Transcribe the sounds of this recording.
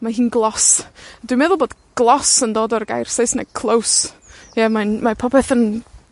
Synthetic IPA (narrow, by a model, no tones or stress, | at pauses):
maɦiːnɡlˠɔsdwimɛðʊlˠboːdɡ̥lˠɔsəndoːdɔrɡa̰jrsejsnɛkʰlˠowsjɛmanmapʰɔpʰɛθən